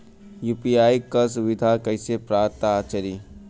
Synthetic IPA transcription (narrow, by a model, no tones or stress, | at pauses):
jupiaːikəsuʋid̪ʱakəjsepɾaːɾ̚t̪aːt͡ʃəɾi